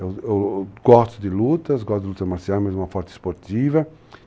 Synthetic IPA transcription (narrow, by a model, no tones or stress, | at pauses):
ɛwɛwɡ̥ɔst̪ud̪ɪlut̪ɐsɡɔst̪d̪lut̪ɐmaɾsiamɛzumɐfɔɾt̪i̥spoɾt̪ivɐ